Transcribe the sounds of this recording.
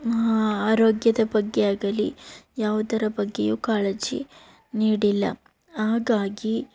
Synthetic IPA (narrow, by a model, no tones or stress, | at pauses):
mɐɦaaːɾoːɡjɐd̪ɐbɐɡːeaːɡɐlijaːʋud̪ɐɾɐbɐɡːḛjuːkaːled͡ʒḭ | niːɽilːɐ̰ | aːɡaːɡi